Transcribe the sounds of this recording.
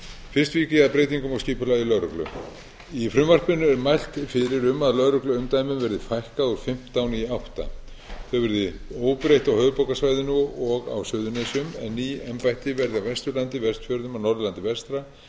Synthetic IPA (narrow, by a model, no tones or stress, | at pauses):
fɪrst̪viːcɪaðpɾejt̪iŋkʏmɔwsciːpʏlailœɾʏklʏ̰ | ifɾʏmvar̥pɪnːʏɛɾmajl̥t̪fɪɾɪɾʏmːaðlœɾʏklʏʏmt̪aːjmɪmvɛɾðɪfajhkaðuɾ̥fɪm̥t̪awnɪiawht̪a̰ | θœɣvɛɾðɪ | oːwpɾejht̪awhœːɥvʏpowkasvajðɪnʏɔɣa̰wsœːðʏnesʏmɛ̰nːiɛmpajht̪ɪvɛɾðɪawvɛst̪ɾʏɾlant̪ɪvɛst̪fjœːɾðʏmawnɔɾðʏlant̪ɪvɛst̪ɾa